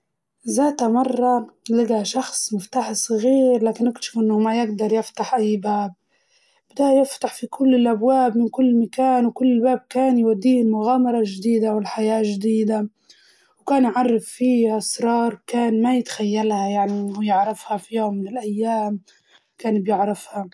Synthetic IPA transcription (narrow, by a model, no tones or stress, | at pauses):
zaːt̪hamɑrˤːɑlɪɡaʃɑxsˤmɪft̪aːħsˤɣiːɾlaːkɪnʔɪkt̪ʃɪfʔɪnːʊmajɪɡd̪ɑɾˤjɪft̪aħʔajːbaːb̚ | bd̪aʔjɪft̪aħfikʰʊlːɪlʔabwaːbmɪnkʊlːmakaːnwkʊlːɪlbaːb̚kaːnjwad̪ːiːlmʊɣaːmɑɾˤɑʒd̪iːd̪awɪlħajaːʒd̪iːd̪a | wkaːnjʕɑrˤːɪffiːʔasɾˤɑːɾˤkaːnmajɪt̪xajːalhajaʕnijɪʕɾɪfhafijoʊːmːɪnɪlʔajːaːm | kaːnbjɪʕɾɪfha